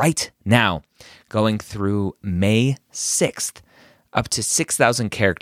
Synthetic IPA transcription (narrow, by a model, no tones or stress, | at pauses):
ɹaɪtnaʊɡ̥oʊɪ̃ŋθɹʉmeɪsɪksθ | ʔʌ̰p̚tʰɨsɪksθaʊzɨ̃n̩kʰɛɹɨk̚